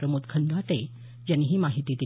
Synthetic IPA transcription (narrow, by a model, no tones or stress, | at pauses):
ɾəmut̪kʰənd̪at̪e | d͡ʑanːiɦiːmaɦit̪iːd̪e